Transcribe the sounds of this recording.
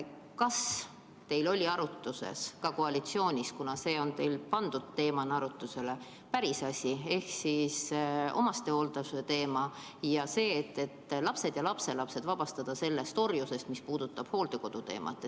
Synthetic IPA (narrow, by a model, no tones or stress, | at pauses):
kɑs | t̪e̞jlo̞lʲiɑɾut̪ːˑusḛskɑko̞ɑlit̪sio̞ːnʲiskunɑse̞ːo̞nt̪e̞jlpɑnd̪̥ud̪̥̚t̪e̞ːmɑnɑɾut̪ːˑuse̞le̞ | pæɾisɑsʲie̞hksisʔo̞̰mɑst̪eo̞ld̪̥ɑet̪e̞ːmɑ | jɑse̞ːt̪ːe̞t̪ːlɑpse̞d̪̥jɑlɑpse̞lɑpse̞d̪̥vɑb̥ɑst̪ɑd̪̥ɑse̞lːe̞st̪o̞rjuse̞st̪mispuːd̪̥ut̪ːˑɑb̥ho̞ːld̪eko̞d̪̥ut̪e̞̰ːmʔɑ̰t̪ːˑe